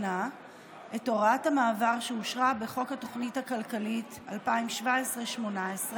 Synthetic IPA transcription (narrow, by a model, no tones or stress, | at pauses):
a | eto̞ʁatamaːvaʁʃeuʃʁabeχo̞khato̞χnitakalkalit | alpaimʃvaesʁeʃmo̞naesʁe